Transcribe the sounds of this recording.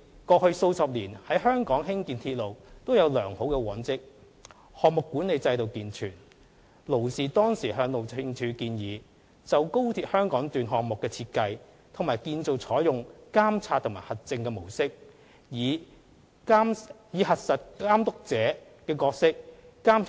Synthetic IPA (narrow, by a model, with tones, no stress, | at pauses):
kɔː˧hɵ˧ɥso˧wsɐ˨p̚liː˨˩nhɐ˨˥jɦœː˥ŋkɔː˨˥ŋhɪ˥ŋkiː˨˧nt̪ʰiː˧t̚lo˨wt̪o˥wjɐ˨˧wlœː˨˩ŋho˨˥wkɛ˧wɐː˨˥nt͡sɪ˥k̚ | hɔː˨k̚mʊ˨kːuː˨˥nle˨˧jt͡sɐ˧jt̪o˨wkiː˨˧nt͡ʃʰyː˨˩n | lo˨˩wsiː˨t̪ɔː˥ŋsiː˨˩ɦœː˨˧ŋlo˨wt͡sʰɪ˧ŋt͡ʃʰyː˨˧kiː˧njiː˨˧ | t͡sɐ˨wko˥wt̪ʰiː˧˥t̚hœː˥ŋkɔː˨˥ŋt̪yː˨nɦɔː˨k̚mʊ˨kːɛː˧t͡sʰiː˧t̚kɐ˧j | t̪ʰŋmaː˨˩jkiː˧nt͡so˨wt͡sʰɔː˨˥jʊ˨ŋkaː˥mt͡sʰaː˧t̪ʰʊ˨˩ŋmaː˨˩hɐ˨˩t̚t͡sɪ˧ŋkɛː˧mo˨˩wsɪ˥k̚ | jiː˨˧˥ | jiː˨˧hɐ˨t̚sɐ˨t̚kaː˥mt̪ʊ˥k̚t͡sɛː˨˥ | kɛː˧kɔː˧k̚sɪ˥k̚ | kaː˥m